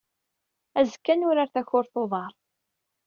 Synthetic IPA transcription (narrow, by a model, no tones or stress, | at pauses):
æzəkːænʊɾaɾθæçʊɾθoðˤɑɾˤ